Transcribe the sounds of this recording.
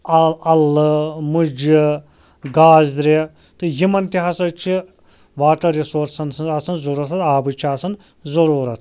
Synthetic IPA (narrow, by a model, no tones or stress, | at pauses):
ɐɐlɨmud͡ʒi | ɡaːzd̪ɾe | t̪ɨjimɐnt̪iɦɐsɐt͡ʃʰi | ʋaːʈɐɾisoːɾsɐnsɐnɐsɐnzuɾɐt̪ʰɐt̪aːbɨt͡ʃʰiaːsɐn | zɐɾuːɾɐt̪ʰ